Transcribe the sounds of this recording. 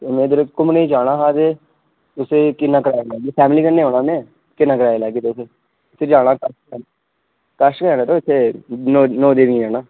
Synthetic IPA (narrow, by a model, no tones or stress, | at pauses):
t̪omẽːd̪əɾkʊmneiːd͡ʒaːɽaːɦaːd̪eː | ʊseːkɪnːaːkəɾaːjelɛːɡeːpʰɛːmliːkəɾneːɦoːnaːnẽː | kɪnːaːkəɾaːjelɛːɡeːt̪oːseː | ʊseːd͡ʒaːɽ̃ãːkəsɛ | kəʃkəaːnẽːt̪oːɪt̪ʰːeːnoːnoːd̪eːnĩːd͡ʒaːnaː